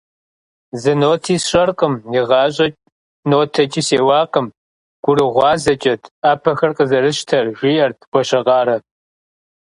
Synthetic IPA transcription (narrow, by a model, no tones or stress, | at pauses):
zɨnoːtʰiːsɕʼɐrqʼəmjɪʁɑːɕ̬ʼɐt͡ʃʼ | noːtʰɐt͡ʃʼiːseːwɑːqəm | ɡ̥ʷʊɾɨʁʷɑːzɐt͡ʃʼɐtʰaːpʰɐxɐrqʼəzɐɾɨɕtʰɐrʒʷijɐrtʰɡ̥ʷɔɕɐʁɑːɾɐ